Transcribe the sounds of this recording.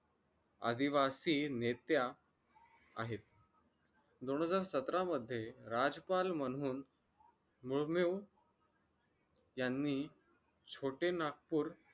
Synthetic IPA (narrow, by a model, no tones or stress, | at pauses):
ə̰d̪iʋasiːnet̪ja | a̰ɦet̪ | d̪oñ̤ɦəd͡zaɾsət̪ɾaməd̪ʱːjeɾad͡zpalmənuːn | muɭmew | janːiː | t͡ɕʰoʈenak̚puːɾ